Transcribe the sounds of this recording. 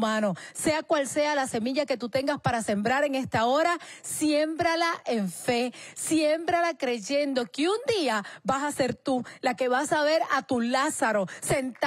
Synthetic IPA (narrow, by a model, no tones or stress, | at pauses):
mãno̞se̞akwalse̞alase̞miʝake̞t̪ut̪e̞ŋɡaspaɾase̞mbɾaɾe̞ŋe̞st̪ao̞ɾasjembɾalaʔe̞ɱfe̞sje̞mbɾalakɾe̞ʝe̞nd̪o̞keund̪iabasase̞ɾt̪ulake̞βasaβe̞ɾat̪ulasaɾo̞sent̪